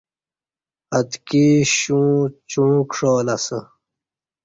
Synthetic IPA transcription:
ɐt̪kiɕũːt͡ɕũːkʂoːlɐsə

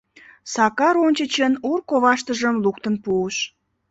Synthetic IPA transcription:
sɑkɑɾonʲt͡ɕət͡ɕənurkoβɑʃt̪əʒəmluk̚t̪ənpuəʃ

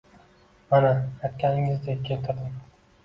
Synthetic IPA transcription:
manaajt̪̚kʲʰanɪŋɪzd̪ekʲʰːelt̪ʰaɾd̪ɪm

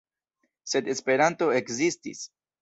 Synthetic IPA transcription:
se̞d̪e̞spe̞ɾant̪o̞ekzistḭs

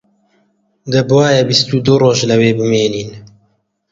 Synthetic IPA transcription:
d̪əbɑːjabist̪ud̪uroːʒlɐweːbɨmeːniːn

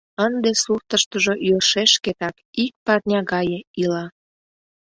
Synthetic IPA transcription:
ənd̪esuxt̪əʃt̪əʒojørʃeʃket̪ɑkik̚pɑrnʲɑɣɑjeilɑ

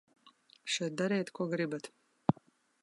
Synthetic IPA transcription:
ʃɛjt̪̚d̪aɾɛːt̪kuɔɡɾibat̪

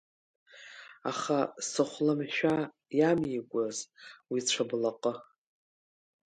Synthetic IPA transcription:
a̰χasɨχʷlɨmʃᶣa | jamjiɡʷazwit͡ɕʷʰablaqʼə

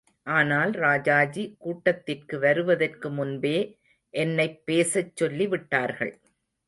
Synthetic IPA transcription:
ʔaːnaːlɾaːd͡ʒaːd͡ʒikuːʈːɐt̪ːɪrkɯʋɐɾɯʋɐðɐrkɯmʊnbeː | ʔɛnːɐɪpːeːsɐt͡ʃːɔlːiʋɪʈːaːɾɣɐ̰ɭ

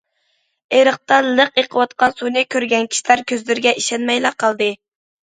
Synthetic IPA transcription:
eɾəq̚t̪ɑlˠəqeqʰəwɑt̪̚qʰɑnsunɨkʲʰøɾɡʲɛnkʲʰi̥ʃilæɾkʲøzlɪɾɪɡʲɛʔiʃɛnmɛjlɑqʰɑlˠd̪ɨ

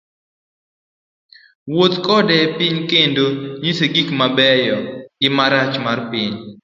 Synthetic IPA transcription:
wot̪kɔdɛpiɲkendoɲiseɡikmabɛjɔɡ̥ɪmaɾat͡ʃmarpiɲ

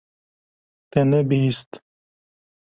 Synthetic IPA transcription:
t̪enebiist̪

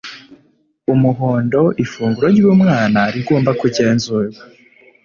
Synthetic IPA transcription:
umuɦo̞ːndo̞ʔifuːŋɡuɾoɾɟuβumŋaːnaɾiɡoːmbakuɟe̞ːnzuːɾa

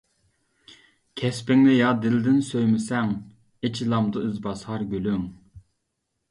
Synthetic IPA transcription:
kʲʰɛspɪŋnɪjɑd̪ɪld̪ɪnsøjmɪsɛŋ | et͡ʃʰilˠɑmd̪ɨyzbɑshɑɾɡʲølyŋ

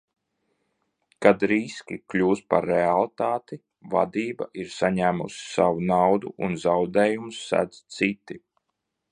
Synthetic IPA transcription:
kad̪ɾiskʲiklʲuːst̪paɾːealˠt̪aːt̪i | va̰d̪iːba̰ʔiɾsaɲæːmṵsi̥savunawd̪uʔunzawd̪ɛːjumsːæ̰d̪zt̪sit̪i

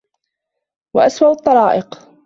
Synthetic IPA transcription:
waʔaswaʔʊt̪ˤːɑɾˤɑːʔɪq

